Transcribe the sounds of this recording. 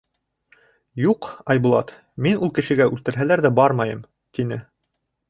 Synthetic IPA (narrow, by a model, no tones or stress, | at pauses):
juqɑjbulˠɑ̰t̪ | minulˠkɘ̆ʃɘ̆ɡæʔʉlt̪ɘ̆ɾɦælæɾðæbɑɾmɑjɤm | t̪inɘ